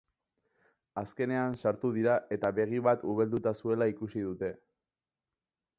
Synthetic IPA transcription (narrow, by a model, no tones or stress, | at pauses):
aske̞ne̞ansaɾt̪uð̞iɾaʔe̞t̪aβe̞ɣ̞iβat̪uβeld̪ut̪asue̞laikusiðut̪e̞